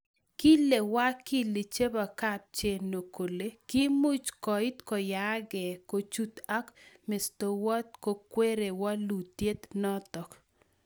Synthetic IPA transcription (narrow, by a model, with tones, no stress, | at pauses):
ki˦le˨wa˦ki˦li˨t͡ʃe˦ba˨ka˦˨p̚t͡ʃe˨no˨ko˨le˦ki˦mu˦t͡ʃkɔ˨ɪ˦t̪kɔ˨ja˨˦ɡɛ˨ko˨t͡ʃu˦t̪a˦kmɪ˨st̪o˨wɔ˦t̪̚ko˨kwe˦ɾe˨wa˦lu˨tje˦t̪nɔ˦t̪ɔ˨k